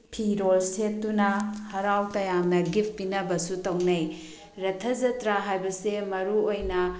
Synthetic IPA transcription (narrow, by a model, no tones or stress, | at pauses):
pʰiɾolsetːunɐhɐɾawtɐjamnɐɡip̚ʰpːinɐbɐsutɐwnɐj | ɾɐtʰːɐd͡ʒɐtɾaɦajbɐsemɐɾuojnɐ